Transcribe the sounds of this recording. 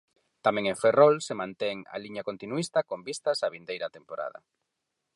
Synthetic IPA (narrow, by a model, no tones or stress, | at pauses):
t̪amẽŋẽɱferɔlsemãnt̪ɛŋa̰liɲakont̪inuist̪akombist̪asaβind̪ejɾat̪empoɾa̰ðɐ̰